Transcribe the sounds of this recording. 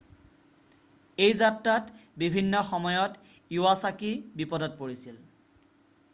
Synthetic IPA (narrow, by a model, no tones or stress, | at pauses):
ejzatɹatbibʱinːɔxɔmɔjɔtuwasakibipɔdɔt̚poɹisil